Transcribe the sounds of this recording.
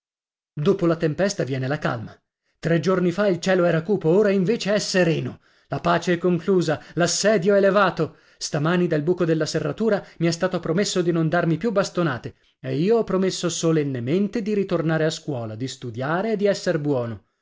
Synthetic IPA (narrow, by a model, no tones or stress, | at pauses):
d̪oːpolat̪empɛst̪avjɛːnelaka̰lma | t̪ɾed͡ʒornifailt͡ʃɛːloɛːɾakuːpooːɾaiɱveːt͡ʃeɛsːeɾɛːno | lapaːt͡ʃeɛkːoŋkluːzalasːɛːd̪joɛlevaːt̪o | st̪amaːnid̪albuːkod̪elːaserːat̪uːɾamiɛst̪aːt̪opɾomesːod̪inond̪armipjubːast̪onaːt̪e | eiːoɔpːɾomesːosolenːement̪ed̪iɾit̪ornaːɾeaskwɔːlad̪ist̪ud̪jaːɾeːd̪ːiɛsːeɾbwɔːno